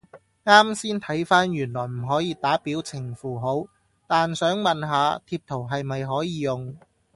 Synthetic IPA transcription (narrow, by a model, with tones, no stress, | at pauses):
ŋaː˥msiː˥nt̪ʰɐ˨˥jfaː˥njyː˨˩nlɔː˨˩jm̩˨˩ɦɔː˨˥jiː˨˧t̪aː˨˥piː˨˥wt͡sʰɪ˨˩ŋfuː˨˩ɦo˨˥w | t̪aː˨nsœː˨˥ŋmɐ˨nɦaː˨˧t̪ʰiː˧p̚t̪ʰo˨˩wɦɐ˨jmɐ˨jɦɔː˨˥jiː˨˧jʊ˨ŋ